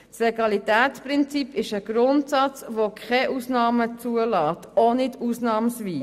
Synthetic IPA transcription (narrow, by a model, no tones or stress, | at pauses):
sleɡɑlitɛːtt͡spɾɪnt͡sipɪʃəɡ̥ɾʊntsɑt͡sʋokʰχɛʔuːsnɑːmət͡suəlɑːtonɪtuːsnɑːmsʋiː